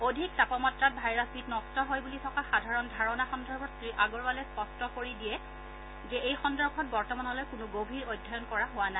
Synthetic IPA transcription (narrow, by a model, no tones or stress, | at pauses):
odʱik̚tapɔmɔtɹat̚bʱajɹasbitnɔstɔɦojbulitʰɔkaxadʱaɹɔndʱaɹɔnaxɔndɔɹkʰɔtsɹiʔaɡɔɹbalɛspɔstɔkoɹidijɛ | zɛejxɔndɔɹkʰɔt̚bɔɹtɔmanɔlɔjkʊnʊɡobʱiɹojdʱajɔnkɔɹaɦʊwana